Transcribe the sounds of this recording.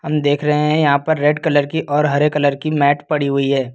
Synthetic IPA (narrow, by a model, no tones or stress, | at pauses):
ɦɐmd̪eːkʰɾɐɦẽɦɛ̃jɐɦãpɐɾːeːɖkɐləɾkiʔɔːɾɦɐɾekɐləɾkimɛːʈpɐɽiɦʊiɦɛː